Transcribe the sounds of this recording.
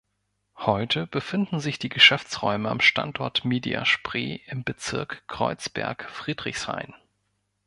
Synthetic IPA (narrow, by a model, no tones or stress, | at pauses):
hɔʏtʰəb̥əfɪndn̩zɪçd̥iːɡəʃɛft͡sʁ̥ɔ̰ʏməa̰mʃta̰ntʔɔɐtmeːdia̰ʃpʁ̥ḛːʔɪmbət͡sɪɐkʰʁ̥ɔ̰ʏt͡sb̥ɛ̰ɐkfʁ̥iːdʁɪçsʁ̥a̰ɪn